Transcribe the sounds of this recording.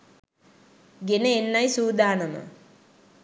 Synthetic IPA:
ɡeneenːajsuːd̪aːnəmə̰

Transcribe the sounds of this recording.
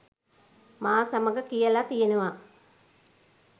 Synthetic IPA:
maːsaməɡəkijəlat̪ijenəʋa

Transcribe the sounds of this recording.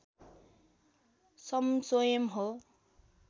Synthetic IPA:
sʌmswojʌmɦo

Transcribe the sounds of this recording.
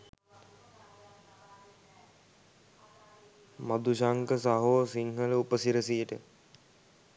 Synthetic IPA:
mad̪uʃaŋkəsaɦoʋsiŋɦələupəsiɾəsiəʈə

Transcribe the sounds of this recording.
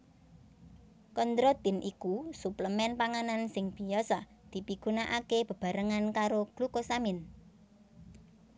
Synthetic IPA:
kɔnd̪ɾot̪ɪnʔikusupləmɛnpaŋanansɪŋb̥i̤jɔsɔ | d̪̥i̤piɡ̥unaʔakeb̥ə̤b̥a̤ɾəŋankaɾoɡ̥lukosamɪn

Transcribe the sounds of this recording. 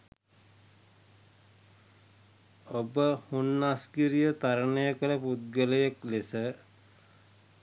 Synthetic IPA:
obəhunːaskiɾijət̪aɾənəjəkələput̪̚ɡələjeklesə

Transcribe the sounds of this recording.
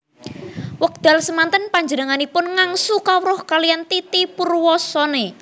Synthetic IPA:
wək̚d̪̥a̤lsəmant̪ənpaɲd͡ʒənəŋanipʊnŋaŋsukawɾɔhkalijant̪it̪ipurwɔsɔne

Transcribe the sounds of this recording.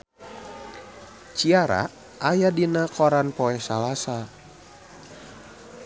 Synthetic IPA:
t͡ʃiaɾa̰ | ʔajadinakɔɾanpɔɛsalasa

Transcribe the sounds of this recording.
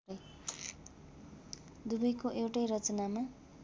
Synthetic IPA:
ʌj | d̪ubʌjkoʔewʈʌjɾʌt͡sʌnama

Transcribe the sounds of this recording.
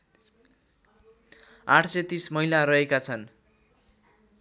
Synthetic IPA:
aʈʰset̪ismʌɦilaɾʌɦekat͡sʰʌn

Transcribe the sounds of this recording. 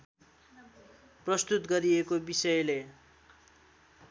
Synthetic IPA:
prʌst̪ut̪ɡʌɾiekobisʌjle

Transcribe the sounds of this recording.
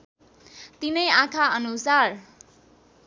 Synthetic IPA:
t̪inʌjãkʰaʌnusar

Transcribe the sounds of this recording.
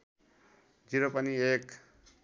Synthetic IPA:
d͡ʒiɾopʌniek

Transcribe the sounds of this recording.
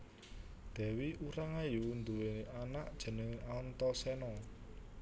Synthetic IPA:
d̪̥ɛ̤wiuɾaŋajuwund̪uweanaʔd̥ʒ̥ə̤nəŋaɔnt̪ɔsɛnɔ

